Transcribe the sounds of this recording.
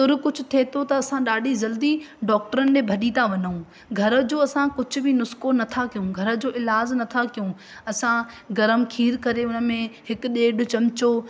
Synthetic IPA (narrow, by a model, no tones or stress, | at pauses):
st̪ʊɾkʊd͡ʑʱʊ̆t̪ʰeːt̪ot̪ɐɐsãɗaːɖʱizɐld̪iɖɔːk̚ʈəɾənɪ̆debʱɐɗit̪ʰaʋɐɲəũ | ɡʱɐɾə̆d͡ʑoːɐsãkʊd͡ʑʱʊ̆bɪnʊskonɐt̪ʰakijũɡʱɐɾə̆d͡ʑoːʔɪlaːznɐt̪ʰakijũ | ɐsã | ɡɐɾəmkʰiːɾkɐɾeʊnəmẽɦɪkʊɗeːɖʊ̆t͡ɕɐmt͡ɕo